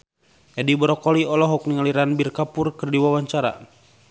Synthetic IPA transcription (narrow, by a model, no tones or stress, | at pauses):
jadibɔɾɔkɔliɔlɔɦɔk̚niŋaliɾanbirkapurkɨrdiwawaɲt͡ʃaɾa̰